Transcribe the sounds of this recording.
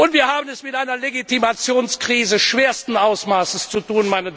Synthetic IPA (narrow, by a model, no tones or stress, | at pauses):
ʔʊntv̥iːɐhaːbənɛsmɪtʔaɪnɐleɡitimat͡sjoːnskʁ̥iːzəʃv̥eːɐstn̩ʔaʊsmaːsəst͡sutuːnmaɪnə